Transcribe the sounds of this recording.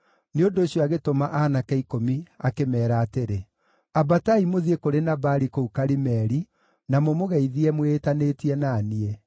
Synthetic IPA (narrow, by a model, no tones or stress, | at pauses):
neondoːɕjɔaɣetomaʔanakaikomiakemɛːɾaːteɾe | abataimoðiekoɾenabaɾikoukaɾimɛɾi | namomoɣɛiðiɛmwetaneːtiɛnaːniɛ